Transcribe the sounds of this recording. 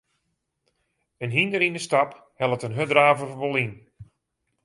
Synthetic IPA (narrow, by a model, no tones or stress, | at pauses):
ənɦindəɾinəstap | hɛlˠətənɦødraːvərʋɔlˠin